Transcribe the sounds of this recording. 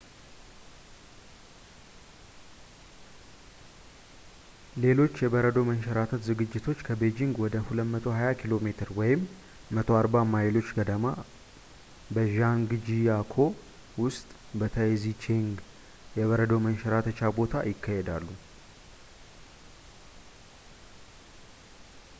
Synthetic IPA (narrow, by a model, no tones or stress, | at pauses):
le̞lo̞t͡ʃːjɛbəɾəd̪o̞mənʃɛɾat̪ʰət̪zɨɡɨd͡ʒːɪt̪ʰo̞t͡ʃːkʰəbed͡ʒiŋɡwɔd̪əhuləmət̪ʰo̞ɦajakʰilo̞met̪ʰɨɾwɔjɪmː | ət̪ʰo̞aɾbamajlo̞t͡ʃːɡəd̪əma | bəʒaŋɡɨd͡ʒijakʰo̞ | wʊst̪ʼ | bət̪ʰəezit͡ʃʰeŋɡ | jɛβəɾəd̪omənʃɛɾat̪ʰət͡ʃabo̞t̪ʰa̰jɪkʰːahed̪alːu